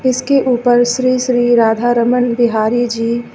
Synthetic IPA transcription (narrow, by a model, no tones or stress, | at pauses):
ɪskeʔuːpəɾʃɾiːʃɾiːɾaːd̪ʱaɾəmənbɪɦaːɾid͡ʒiː